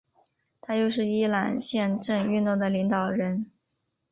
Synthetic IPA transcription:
t̪ʰa˥jo˥˧ʊʂɻ̩˥˩i˥la˨˩nɕjɛ˥˧nʈ͡ʂɤ˥˧ŋy˥˧nt̪o˥˩d̪ə˩li˧˥ŋt̪ɑ˨˩ʊɻə˧˥n

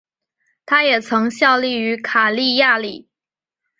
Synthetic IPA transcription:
t̪ʰa˥jɛ˨˩t͡sʰɤ˧˥ŋɕjɑ˥˧ʊli˥˩y˧˥kʰa˨˩li˥˧ja˥˩li˨˩˦

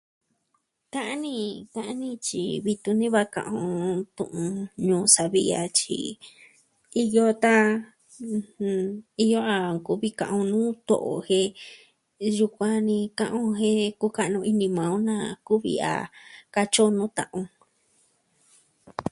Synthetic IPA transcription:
kã˦ʔa˦nĩ˦˧kã˦ʔa˦nĩ˦t͡ʃḭ˨βi˧t̪u˧nĩ˦βa˦kã̰˧ʔõ˧t̪ṵ̃˧˨ʔũ˧ɲũː˧˦sa˨βi˦a̰˧t͡ʃḭ˧ | i˧jo˧t̪a˦˧ | i˧jo˦a˧ku˦βi˦kã̰˨ʔõ˧nũː˦t̪o̰˨ʔo̰˨hẽ˧ | ju˧kʷã˧nĩ˧kã˧ʔõ˧ɦẽ˦ku˦ka˧ʔnũ˧ʔi˧nĩ˧mã˨ũ˦nã˧ku˦βḭ˧a̰˨ka˧t͡ʃo˦nũ˦t̪ã̰˧ʔõ˧

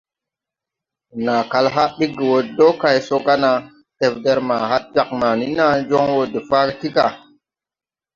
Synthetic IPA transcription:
na˨ka˨lɦa˦ɗi˦kːi˨wo˨do˦ka˨jso˦ɡa˦na˨ | te˨pde˦ɾma˨ɦa˦t̚d͡ʒa˨k̚ma˨ni˦na˦nd͡ʒo˦ŋwo˦˨de˨fa˦ɡə˦ti˦ka˨

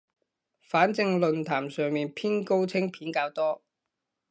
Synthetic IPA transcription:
faː˨˥nt͡sɪ˧ŋlɵ˨nt̪ʰaː˨˩msœː˨˧ŋmiː˨npʰiː˥nko˥wt͡sʰɪ˥ŋpʰiː˨˥nkaː˧wt̪ɔː˥

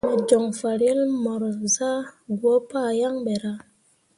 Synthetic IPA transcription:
me˨d͡ʒo˨ŋfa˨ɾje˦lmɔ˨ɾza˦ɡwo˨˦pa˦˨ja˦ŋɓe˨ɾa˦

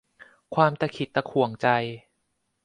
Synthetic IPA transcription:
kʰwaː˧mt̪a˧˩kʰi˨˩t̪ːa˧kʰu˨˩ə˦ŋt͡ɕa˧j

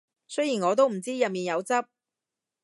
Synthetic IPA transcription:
sɵ˥jiː˨˩nŋɔː˨˧t̪̬o˥wm̩˨˩t͡siː˥jɐ˨p̚miː˨njɐ˨˧wt͡sɐ˥p̚

